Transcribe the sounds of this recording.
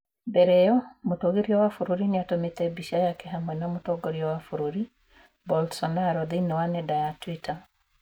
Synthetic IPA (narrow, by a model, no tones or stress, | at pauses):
bɛɾɛjɔmotoɡeɾiɔwafuɾuɾinɪatomet̪ɛbiʃajakɛɦamwɛnamotɔɡoɾiɔwafuɾuɾi | bɔlsɔnaɾɔðinɔwanɛdajatwitʰa